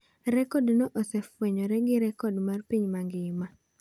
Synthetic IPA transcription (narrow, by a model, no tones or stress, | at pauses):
ɾɛkɔdnɔʔosɛfwɛɲɔɾɛɡɪɾɛkɔdmarpiɲmaɡɪma